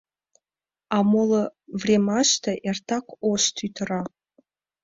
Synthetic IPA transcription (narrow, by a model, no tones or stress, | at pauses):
amoləvrʲemaʃt̪ʰaʔertʰakʷʰoʃt̪ʰytʰəra